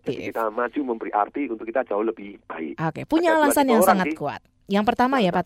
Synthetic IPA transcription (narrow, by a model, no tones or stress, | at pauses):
kit̪amḁd͡ʒ̥uməmbəɾiʔa̰rt̪iunt̪ʊkːit̪ad͡ʒaʊhləb̥ɪhb̥aɪ̰kʔokepuɲaːlasanjaŋsaŋat̪̚kua̰t̪̚ | jaŋpərt̪amajapa